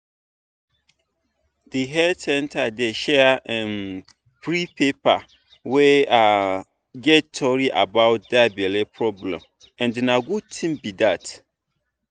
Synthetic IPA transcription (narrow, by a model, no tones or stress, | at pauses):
diɦɛsɛ̃ntʰadeʃɛɛ̃n | pɹipʰepa | wea | ɡɛttʰɔɹiʔa̰baʊt̚dabɛlepʰɹɔblɛ̰̃m | ɛ̃ndinãɡutʰĩmbidat